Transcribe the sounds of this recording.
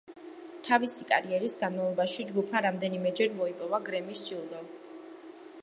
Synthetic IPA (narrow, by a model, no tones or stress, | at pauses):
t̪ʰavisikʼa̰ɾiɛɾisɡanmavlˠɔbaʃid͡ʒɡupʰmaɾamd̪ɛnimɛd͡ʒɛɾmɔipʼɔvaɡɾɛmisd͡ʒid̪ɔ